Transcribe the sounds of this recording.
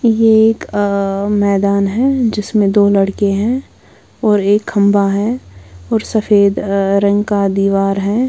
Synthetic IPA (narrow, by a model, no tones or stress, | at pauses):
jeeːk | mɛːd̪aːnɦɛd͡ʒɪsmẽd̪oːlɐɽkeɦɛ̃ | ɔːɾeːkhɐ̃mbaɦɛɔːɾsɐfeːd̪ɾɐ̃ŋɡkad̪iːʋaːɾɦɛː